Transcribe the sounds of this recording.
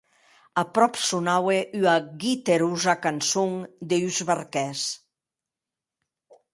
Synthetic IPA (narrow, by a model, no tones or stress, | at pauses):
apɾɔpsunaweʔyaɡit̪eɾuzakansuŋd̪eyzβaɾkɛs